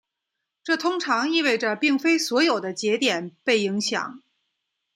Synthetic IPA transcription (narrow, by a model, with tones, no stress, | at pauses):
ʈ͡ʂɤ˥˩t̪ʰʊ˥ŋʈ͡ʂʰɑ˧˥ŋi˥˧we˥˩ɪʈ͡ʂə˩pi˥˩ŋfe˥ɪswɔ˧˥jo˨˩ʊd̪ə˦t͡ɕjɛ˧˥t̪jɛ˨˩npe˥˩ɪi˧˥ŋɕjɑ̰˨˩˦ŋ